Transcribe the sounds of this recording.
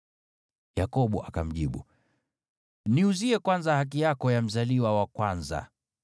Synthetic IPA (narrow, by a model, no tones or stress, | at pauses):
jakɔɓuʔakam̩ʄiɓṵ | niuziɛkwanzahak̬ijakɔjam̩zaliwawakwanza̰